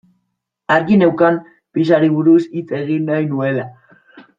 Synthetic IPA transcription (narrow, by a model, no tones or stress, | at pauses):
aɾɣine̞wkam | pis̬aɾiβ̞uɾusit͡se̞ɣinːajnue̞la